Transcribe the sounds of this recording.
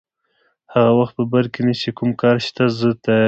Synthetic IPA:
haɣawaxt̪̚pəbaɾkenat͡ʃekumkɑɾʃt̪azət̪a

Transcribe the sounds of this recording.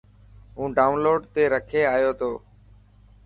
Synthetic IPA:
ɦũːɖaːʊnloːɖt̪eːɾəkʰeːaːjoːt̪ʰoː

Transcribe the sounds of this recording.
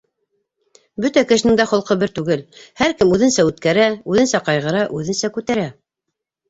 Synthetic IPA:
bɵt̪ækɘ̆ʃɘ̆nɘŋd̪æχŏlˠqɤbɘɾt̪ʉɡɘlhæɾkɘmʉðɘ̆nsæʉt̪kæɾæʉðɘ̆nsæqɑjʁɤ̆ɾɑʔʉðɘ̆nsækʉt̪æɾæ

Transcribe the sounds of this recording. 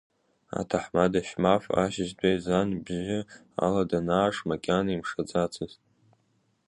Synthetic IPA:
a̰tʰaħmadaʃmafa̰ʃɪʒdʷajzanbʒɪ | a̰ladanaːʂmakʲʼanimʂad͡zʼat͡sʰɨztʼ

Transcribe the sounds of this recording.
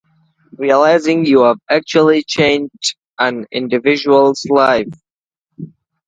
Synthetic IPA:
ɹiəlaɪzɪ̃ŋjuəvæk̚t͡ʃuəl̩ˠit͡ʃʰẽɪ̃nd | ʔə̃nɪ̰̃ndɨvɪʒuəlˠzlaɪf

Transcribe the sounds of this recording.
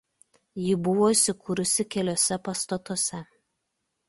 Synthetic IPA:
jɪbʊʋoːisʲɪkʰuɾʊsʲɪkʲɛlʲoːsʲɛpɐst̪ɐt̪osʲɛ

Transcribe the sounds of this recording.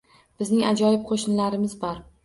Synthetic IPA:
b̥ɪznɪŋad͡ʒɒjɪp̚qʰoʃnlaɾɪmɪzbɒɾ

